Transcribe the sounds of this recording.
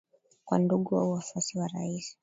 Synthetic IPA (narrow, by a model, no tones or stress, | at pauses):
kwanduɠuwa̰uafwasiwaɾa̰isi̥